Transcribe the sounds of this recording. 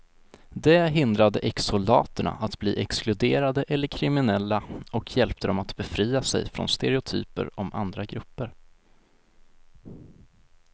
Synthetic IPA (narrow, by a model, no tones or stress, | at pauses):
d̪ɛɦɪnd̪ɾad̪əʔɛksʊlɑːt̪əɳa̰ʔat̪bliːʔɛksklɵd̪eːɾad̪əʔɛlːəɾkʰɾɪmɪnɛlːaɔkʰjɛlpt̪əd̪ɔmat̪bɛfɾiːasɛ̰jfɾɔ̰nst̪ɛɾɛʊt̪ʰy̰ːpə̰ɾɔma̰nd̪ɾaɡɾɵpːəɾ